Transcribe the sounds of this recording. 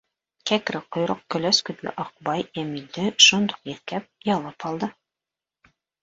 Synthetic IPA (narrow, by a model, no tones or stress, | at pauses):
kækɾɘqŏjɾoq̚kɵ̆læskɵ̆t̪lɘ̰ʔɑq̚bɑjæmild̪ɘʃund̪u̥qiɾkæp̚jɑlˠɤpɑlˠd̪ɤ